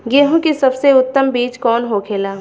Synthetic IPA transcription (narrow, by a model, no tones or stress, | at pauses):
ɡeːɦõkisɐbseʊt̪ːəmbiːt͡ʃkɔːnɦokʰeːlaː